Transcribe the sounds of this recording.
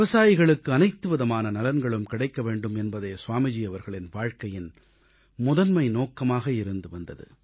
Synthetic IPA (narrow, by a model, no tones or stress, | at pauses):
ʋɪʋɐsaːjɪɣɐɭɯkːɯɐnɐɪt̪ːɯʋɐðɐmaːnɐnɐlɐnɡɐɭɯmkɪɽɐɪkːɐʋeːɳɖɯmɛnbɐðeːsʊʋaːmɪd͡ʒiɐʋɐɾɣɐɭɪnʋaːɻkɐjɪn | mʊðɐnmɐɪnoːkːɐmaːɣɐɪɾɯnd̪ɯʋɐnd̪ɐðɯ̰